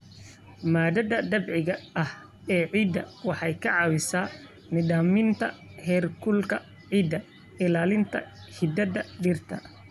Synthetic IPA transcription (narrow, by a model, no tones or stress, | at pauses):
maːd̪ɐd̪ɐd̪ɐbʕɪɣɐʔɐh | ɛːʕiːd̪ɐ̰wɑħɑjkʰɐʕɑːwɪsaː | nɪd̪aːmɪnt̪ʰɐ̰hɛːrkʰʊlkʰɐ | ʕiːd̪ːɐ | ɪlaːlɪnt̪ʰɐ̰hɪd̪ɐd̪ɐɖɪrt̪ʰɐ̰